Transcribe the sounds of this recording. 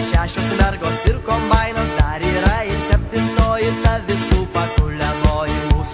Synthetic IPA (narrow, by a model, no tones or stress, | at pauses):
ʃʲæːʃʲoːsmʲɛɾɡoːsɪɾkombɑɪnɐsd̪ɐɾiːɾɐɪnʲsʲɛpʲt̪ʲɪʋnoːjɪt̪ɐʋʲɪsuːpɐkʊlʲɛloːjɪs